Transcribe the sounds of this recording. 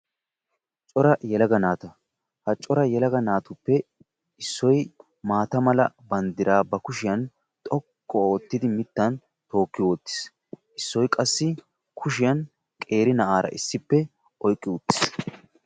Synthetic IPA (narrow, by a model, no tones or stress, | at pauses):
t͡ʃʼɔɾɐjɛlɐɡɐnaːt̪ɐ | hɐt͡ʃʼːɔɾɐjɛlɐɡɐnaːt̪ʊpːɛ | ɪsːɔj | maːt̪ɐmɐlɐ | bɐnd̪ɪɾaːbɐkʊʃɪjɐn | t̪ʼɔkːɔoːt̪ːɪd̪ɪmɪt̪ːɐn | t̪o̞ːkːɪwɔt̪ːɪ̥s | ʔɪsːɔjkʼɐsːɪ | kʰʊʃɪjɐn | kʼe̞ːɾɪnɐʔaːɾɐ̰ʔɪsːɪpːɛ | ʔɔjkʼːɪʊt̪ːɪ̥s